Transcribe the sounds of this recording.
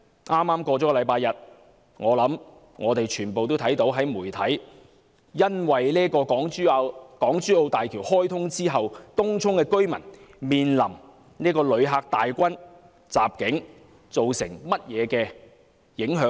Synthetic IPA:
ʔaː˥mːaː˥mkɔː˧t͡sɔː˨˥kɔ˥lɐ˨˧jpaː˧jɐ˨t̚ | ŋɔː˨˧lɐ˨˥m | ŋɔː˨˧t̪e˨jt͡ʃʰyː˨˩npo˨wt̪o˥wt̪ʰɐ˨˥jt̪o˨˥wɦɐ˨˥jmuː˨˩jt̪ʰɐ˨˥j | jɐ˥nwɐ˨jliː˥kɔː˧kɔː˨˥ŋː˥˧kɔː˨˥ŋt͡syː˥o˧wt̪aː˨jkʰiː˨˩whɔː˥jt̪ʰʊ˥ŋt͡siː˥ɦɐ˨wt̪ʊ˥ŋt͡ʃʰʊ˥ŋkɛː˧kɵ˥ɥmɐ˨˩nmiː˨nlɐ̰˨˩m | niː˥kɔː˧lɵ˨˧ɥɦaː˧k̚t̪aː˨jkʷɐ˥n | t͡sa̰ː˨p̚kɪ˨˥ŋ | t͡so˨wsɪ̰˨˩ŋmɐ˥t̚jɛː˨˧kɛː˧ | jɪ˨˥ŋɦœː˨˥ŋ

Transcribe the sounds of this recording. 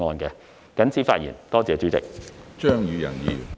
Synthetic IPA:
ŋɔː˧nkɛː˧ | kɐ˨˥nt͡sʰiː˨˥faː˧t̚jḭː˨˩nt̪ɔː˥t͡sɛː˨t͡sy˨˥t͡sɪ̰˨k̚t͡ʃœː˥ŋjy˨˧jɐ̰˨˩njḭː˨˩

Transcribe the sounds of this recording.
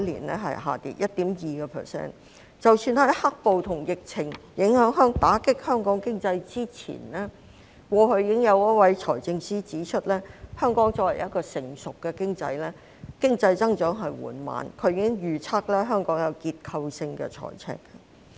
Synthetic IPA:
lḭː˨˩nlɛː˥ɦɐ̰˨jɦa̰ː˨t̪ḭ˨˥t̚jʔɐ˥t̚t̪iː˨˥mjiː˨kɛ˧pʰɛ̰ː˨˩sɛ̰ː˥˩n | t͡sɐ˨wsyː˧nhɐ˨˥jha˥k̚po˨˧wt̪ʰʊ˨˩ŋjɪ˨k̚t͡sʰɪ˨˩ŋjɪ˨˥ŋhœː˨˥ŋɦœː˥ŋt̪aː˨˥kɪ˥k̚hœː˥ŋkɔː˨˥ŋkɪ˥ŋt͡sɐ˧jt͡siː˥t͡sʰḭː˨˩nlɛ˥ | kwɔː˧ɦɵ˧ɥjiː˨˧kɪ˥ŋjɐ˨˧wjɐ˥t̚wɐ˨˥jt͡ʃʰɔː˨˩jt͡sɪ˧ŋsiː˥t͡siː˨˥t͡ʃʰɵ˥t̚lɛː˥hœː˥ŋkɔː˨˥ŋt͡sɔː˧˥wɐ˨˩jɐ˥t̚kɔː˧sɪ˨˩ŋsʊ˨kːɛ˧kɪ˥ŋt͡sɐ̰˧jlɛː˥ | kɪ˥ŋt͡sɐ˧jt͡sɐ˥ŋt͡ʃœː˨˥ŋɦɐ˨jwṵː˨˩nma̰ː˨nkʰɵ˨˧ɥjiː˧kɪ˥ŋjyː˨t͡sʰaː˥k̚lɛː˥ɦœː˥ŋkɔː˨˥ŋjɐ˨˧wkiː˧t̚kʰɐ˧wsɪ˧ŋkɛ̰ː˧t͡ʃʰɔ̰ː˨˩jt͡sʰɛ̰ː˥kːɐ˧

